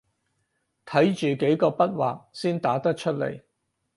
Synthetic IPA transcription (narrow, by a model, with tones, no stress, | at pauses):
t̪ʰɐ˨˥jt͡ʃyː˨˩ke˨˥jkɔː˧pɐ˥t̚wa̰ː˨k̚siː˥nt̪aː˨˥t̪ɐ˥k̚t͡ʃʰɵ˥t̚lḛ˨˩j